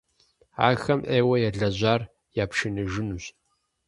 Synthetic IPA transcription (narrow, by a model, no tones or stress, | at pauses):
a̰ːxɐmʔeːwɐjɛɮɐʑaːr | jaːpʃɪnɨʒɪnuɕ